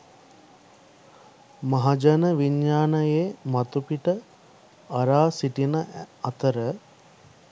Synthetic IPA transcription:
maɦad͡ʒɐnəʋiɲjaːnəjeːmat̪upiʈə | ɐɾaːsiʈinəɐt̪əɾə

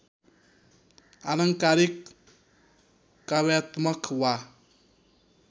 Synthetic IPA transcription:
alaŋkaɾik | awɛt̪mɐkwa

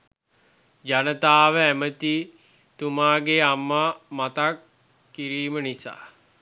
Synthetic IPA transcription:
d͡ʒanət̪aːʋəæmət̪i | t̪umaːɡeamːamat̪akː | iɾiːmənisa̰ː

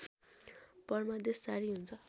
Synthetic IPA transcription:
pʌrmʌd̪esːaɾiɦunt͡sʰʌ

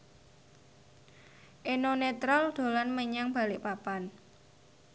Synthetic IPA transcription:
ʔenonet̪ɾɔld̪̥o̤lanməɲaŋb̥a̤lɪʔpapan

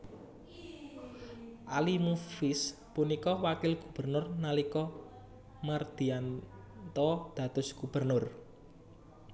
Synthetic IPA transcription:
ʔalimufɪs | punikɔwakɪlɡ̥ub̥ərnʊrnalikɔ | mard̪̥i̤an | t̪ɔd̪̥ä̤t̪ʊsɡ̥ub̥ərnʊr

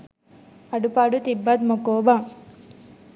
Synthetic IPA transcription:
ɐɖupaɖut̪ibːɐd̪̚mokoːbaŋ

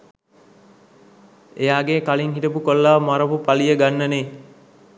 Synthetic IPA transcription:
ejaːɡekaliŋɦiʈəp̬ukolːaːmaɾəpupalijəɡanːəneː

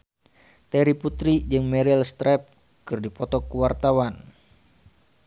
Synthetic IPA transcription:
t̪ɛɾiput̪ɾid͡ʒɨŋmɛɾilst̪ɾɛp̚ | kɨrdipɔt̪ɔkuwart̪awan

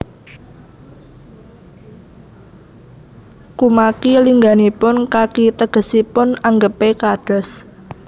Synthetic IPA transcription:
kumakiliŋɡanipʊnkakit̪əɡ̥ə̤sipʊnaŋɡəpekaɖ̥ɔ̤s

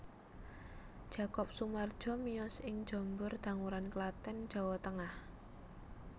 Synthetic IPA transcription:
d̥ʒ̥a̤kɔp̚sumard̥ʒ̥ɔ̤miɔsɪŋ̥d͡ʒ̥ɔ̤mbʊrd̪̥ä̤ŋuɾanklat̪ɛn̥d͡ʒ̥a̤wɔt̪əŋah

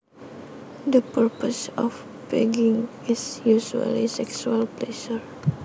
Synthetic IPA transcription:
dəpəɹpɔsɔf | bɛ̰ɡĩŋ | isjuʃua̰lisɛksualplɛʃəɹ

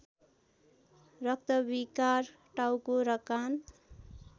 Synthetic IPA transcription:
rʌk̚t̪ʌbikar | ʈawkoɾʌkan

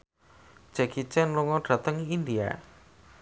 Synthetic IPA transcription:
d͡ʒ̥ɛkit͡ʃɛnluŋɔɖ̥ä̤t̪əŋiind̪ia̰

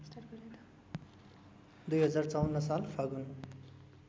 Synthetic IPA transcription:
d̪ujɦʌd͡zart͡sawʌnːʌsalpʰʌɡun

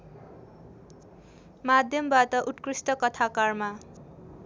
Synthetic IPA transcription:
mad̪ʱjʌmbat̪ʌʔut̪krisʈʌkʌt̪ʰakarma

